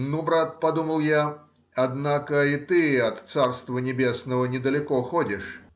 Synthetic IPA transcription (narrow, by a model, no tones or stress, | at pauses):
nubɾat̪̚pɐd̪uməlˠja | ɐd̪nakəit̪ɨɐt̪sarst̪vənʲɪbʲesnəvənʲɪd̪əlʲɪkoxodʲɪʂ